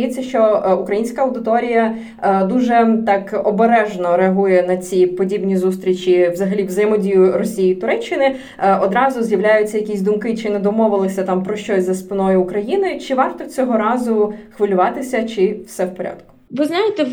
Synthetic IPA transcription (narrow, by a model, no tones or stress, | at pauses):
jɛt͡sʲːɐʃt͡ʃɔukɾɐjinʲsʲkɐɐwd̪ɪt̪ɔɾʲijɐ | d̪uʒɛt̪ɑkɔbeɾɛʒnɔɾeɐɦujɛnɐt͡sʲipɔdʲibnʲizust̪ɾʲit͡ʃʲiʋzɐɦɐlʲiʋzɐjɛmɔdʲijʊrɔsʲijit̪ʊɾɛt͡ʃːɪnɪ | ɔd̪ɾɑzʊzʲjɐʋlʲajʊt͡sʲːɐjɐkʲisʲd̪ʊmkɪt͡ʃɪnɛd̪ɔmɔʋɪlˠɪsʲɐt̪ɑmpɾɔʃt͡ʃɔsʲzɐspɪnɔjʊːkɾɐjinɪjt͡ʃɪʋɑrt̪ɔt͡sʲɔɦɔɾɑzʊxʋɪlʲʊʋɑt̪ɪsʲɐt͡ʃɪwsɛwpɔɾʲa̰d̪kʊ̥ʋɪznɑjɪt̪ɛ